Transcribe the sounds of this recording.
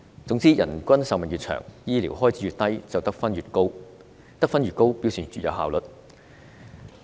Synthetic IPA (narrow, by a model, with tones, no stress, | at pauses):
t͡sʊ˨˥ŋt͡siː˥jɐ̰˨˩nkʷɐ˥nsɐ˨wmɐ˨njy˨t̚t͡ʃʰœ̰ː˨˩ŋjiː˥lḭː˨˩wɦɔː˥jt͡sʰi˨˥ɥyː˨˧t̪ɐ˥jt͡sɐ˨wt̪ɐ˥k̚fɐ˥nɥyː˨t̚ko˥w | t̪ɐ˥k̚fɐ˥nɥyː˨t̚ko˥wpiː˥wsyː˨˩nt͡ʃyː˨t̚jɐ̰˨˧ɦa̰ː˨wlɵ˨t̚